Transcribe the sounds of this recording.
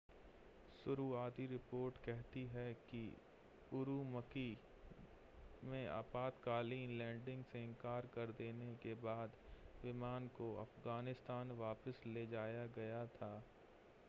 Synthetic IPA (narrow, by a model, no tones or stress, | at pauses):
sʊɾuːaːt̪iɾɪpoːɾʈkɛɦt̪iɦɛki | ʊɾumɐki | mẽa̰ːpaːt̪kaːliːnlɛ̃ːɳɖɪ̃ŋɡseɪ̃ŋkaːɾkɐɾd̪eːnekebaːd̪ʋɪmaːnkoɐ̰fɣaːnɪst̪aːnʋaːpəsleːd͡ʒaːjaɡɐjat̪ʰaː